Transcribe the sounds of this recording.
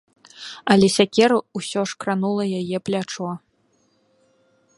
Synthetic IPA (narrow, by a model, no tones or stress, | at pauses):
ɐlʲɛsʲakʲɛɾuusʲɔʂkɾanulˠɐjajɛplʲat͡ʂɔ